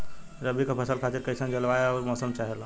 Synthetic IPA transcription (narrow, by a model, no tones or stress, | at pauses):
ɾəbʱikepʰəsəlkʰat̪iɾkəjsə̃nɡelbaeɔːɾmɔsəmt͡ʃaɦɛl